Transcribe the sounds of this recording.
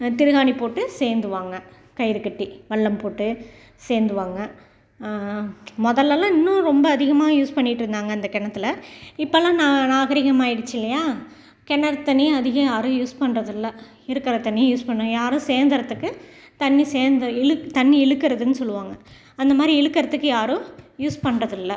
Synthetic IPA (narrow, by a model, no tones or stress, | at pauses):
t̪ɪɾɯɣaːnipoːʈːɯseːɾnd̪ɯʋaːŋɡɐ | kɐjɾɯkːɐʈːiʋɐɭːɐmpoːʈːɯ | seːɾnd̪ɯʋaːŋɡɐ | mɔðɐlːɐlːãːɪnːʊ̃ɾɔmbɐːðɪɣɐmaːjuːspɐɳːɪʈːɪɾɯnd̪aːŋɡɐɪnd̪ɐkɛɳɐt̪ːɪlɐɪpːɐlãːnãːnaːɣɐɾɪɣɐmaːɪɽɯt͡ʃːɪlːɐjaː | kɛɳːɐɾt̪ːɐniɐðɪɣɐ̃jaːɾɯ̃juːspɐɳrɐðɯlːɐ | ɪɾɯkːɪɾɐt̪ːɐɳːɪjjuːspɐɳːɐ̃jaːɾɯ̃seːɾnd̪ɪɾɐt̪ːɯkːɯ | t̪ɐnːiseːɾnd̪ɐɪlt̪ɐnːiɛɭɯkːɪɾɐðɯnːɯsɔlːɯʋaːŋɡɐ | ɐnd̪ɐmaːd̪ɾiɛɻɯkːɐɾɐt̪ːɯkːɯjaːɾʊ̃juːspɐɳrɐðɪlːɐ